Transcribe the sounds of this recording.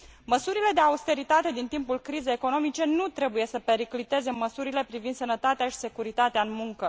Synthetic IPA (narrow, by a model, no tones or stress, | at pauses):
məsuɾile̞d̪e̞aust̪e̞ɾit̪at̪e̞d̪int̪impulkɾize̞jeko̞no̞mit͡ʃe̞nut̪ɾe̞buje̞səpe̞ɾiklit̪e̞ze̞məsuɾile̞pɾivind̪sənət̪at̪eaʃi̥sekuɾit̪at̪eaɨnmuŋkə